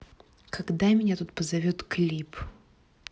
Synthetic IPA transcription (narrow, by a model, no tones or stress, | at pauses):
kʰɐɡd̪amʲɪnʲat̪ut̪̚pəzɐvʲot̪klʲip